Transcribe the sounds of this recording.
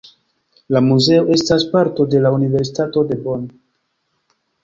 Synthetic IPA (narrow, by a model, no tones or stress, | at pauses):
lamuze̞o̞ʔe̞staspaɾto̞de̞launive̞ɾsitato̞de̞bon